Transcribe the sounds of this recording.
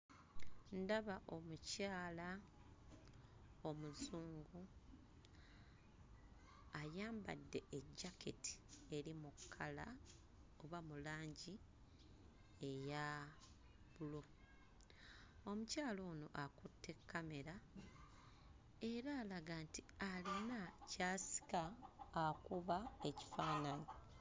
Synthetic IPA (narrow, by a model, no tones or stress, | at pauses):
ndaβaʔo̞mucaːla | o̞muzuːŋɡu | ajaːmba̰dːe̞ːɟːake̞̰ti̥e̞ɾimukʰːala | oβamulaːɲɟi | e̞ja | βulo̞ | o̞mucaːlo̞ːnoʔakutʰːe̞kːame̞ɾa | e̞ɾaːlaɡaːntialenacaːsi̥kaː | kuβae̞ci̥faːnaɲi